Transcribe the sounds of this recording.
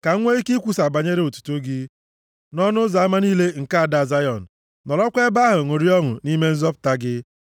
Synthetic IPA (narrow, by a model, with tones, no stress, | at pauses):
ka˨ŋ̩˦ŋʷe˦i˦ki˦kʷu˦sa˨ba˨ɲe˦ɾe˦o˨tu̥˨tu˦ɡi˦ | nɔ˦nʊ˦za˨a˦ma˦niː˦le˦ŋ̩˨ka˦a˨da˨a˨za˦jɔ˨n̩˨ | nɔ˨lɔ˦kʷe˦ba˦ɦʊ˨ŋʊ˨ɾi˦ɔ˦ŋʊ̰˨ni˦me˦n̩˦zɔ˦p̚ta˦ɡɪ˦